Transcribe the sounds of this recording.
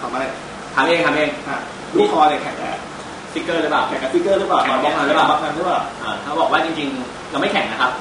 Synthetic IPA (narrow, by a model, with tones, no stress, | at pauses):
kʰa˨˧˦ma˧˩a˧˩ | t̪ʰaː˦˥ŋʔeː˧ŋt̪ʰa˧˥ŋʔeː˧ŋʔa˧˩ | luː˥˩kʰɔː˧t̪ɛ˨˩kʰɛ˨˩˦ŋkɛ̰ː˧˩ | si˦˥kːɤː˥˩ɾɯ˦˥paː˨˩wkʰɛ˨˩˦ŋkɛː˧˥si˦˥kːɤː˥˩ɾɯ˦˥paː˨˩wɔ˨˧˦mɔ˧˩k̚ʰaː˧nɾɯ˦˥paː˨˩a˧˥k̚a˧nɾpaː˨˩wʔaː˨˩t̪ʰaː˥˩bɔː˨˩k̚waː˥˩t͡ɕi˧ŋt͡ɕi˧ŋ | ka˧ma˥˩jkʰɛ˨˦ŋna˦˥kʰa˦˥p̚